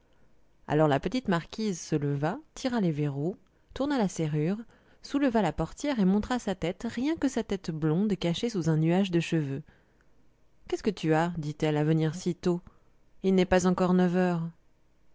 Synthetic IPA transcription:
a̰lɔʁlapət̪it̪maʁkʲizsələvat̪ʰiʁaleveʁu | t̪uʁnalaseʁyʁ | suləvalapɔʁt̪jɛʁemɔ̃t̪χasat̪ɛt̪ʁjɛ̃kəsat̪ɛt̪blɔ̃d̪kaʃesuzɛ̃nyaʒd̪əʃəvø | kʲɛskət̪yad̪it̪ɛlavəniʁsit̪o | ilnɛpazɑ̃kɔʁnəvœːʁ

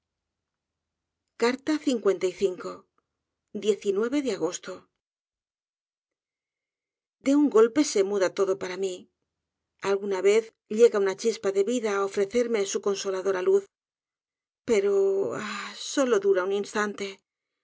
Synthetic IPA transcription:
kaɾt̪aθiŋkwe̞nt̪ajθiŋko̞ | d̪je̞θinwe̞βe̞ðeaɣ̞o̞st̪o | d̪e̞uŋɡo̞lpe̞se̞muðat̪o̞ðo̞paɾami | alɣunaβe̞θ | ʎeɣaunat͡ʃispaðe̞βiðaːofɾe̞θe̞ɾme̞suko̞nso̞laðo̞ɾaluθ | pe̞ɾoaso̞lo̞ðuɾauninst̪ant̪e̞

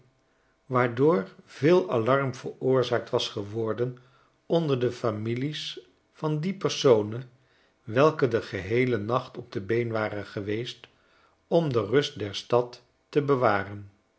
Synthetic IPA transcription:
ʋaːɹdʊːɹv̥ɪːlˠɑlɑɹmvəɹʊːɹzaːk̚tʋɑsχəʋɔɹdən | ɔndəɹdəfamilis | fɑndipəɹsownə | ʋɛlˠkədəχəɦejlənɑχtɔb̚dəbejnʋaːrənχəʋejst | ɔmdərɵst̚dɛɹstɑtː | əbəʋaːrən

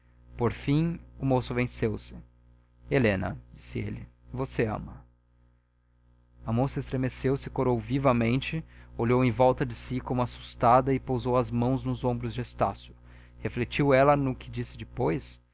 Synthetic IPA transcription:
poɾfĩʊmosʊvẽsewsɪ̥ | elẽnɐ̰d͡ʒisɪḛlɪvoseɐ̰̃mɐ | ɐmosɐɪst̪ɾemesewsɪkoɾowvivɐmẽnt͡ʃɪoʎowẽj̃vɔwt̪ɐd͡ʒɪsikõmʊasu̥st̪ad̪ɐɪpowzowɐzmɐ̃w̃znʊzõbɾʊzd͡ʒɪest̪a̰sjʊ̥ | heflet͡ʃiwɛlɐnʊkʰɪd͡ʒisɪd͡ʒɪpojs

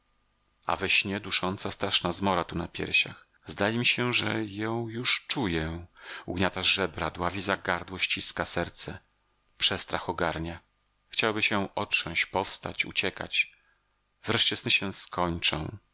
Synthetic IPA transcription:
a̰vɛɕɲɛd̪uʂɔnt̪sast̪ɾaʂnazmɔɾat̪unapʲjɛ̰ɾɕa̰x | zd̪ajɛmʲiɕɛʐɛjɔ̃w̃juʂt͡ʂujɛṵɡɲat̪aʐɛbɾad̪wavʲizaɡaɾd̪wɔɕt͡ɕiskasɛɾt̪sɛ | pʂɛst̪ɾaxɔɡaɾɲa | xt͡ɕawbɘɕɛʔɔtʂɔ̃w̃ɕt͡ɕpɔfst̪a̰t͡ɕṵt͡ɕɛka̰t͡ɕ | vɾɛʂt͡ɕɛsnɘɕɛ̃skɔɲt͡ʂɔ̃w̃

